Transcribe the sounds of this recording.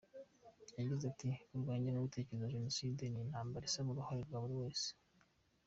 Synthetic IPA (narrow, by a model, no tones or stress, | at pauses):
jaɟizatiuɾɡeːɲɟenoɡute̞ceezaʒe̞no̞sideninhaːmbaɾisaβuɾuhoɾeɾɡaβuɾiwe̞ːse̥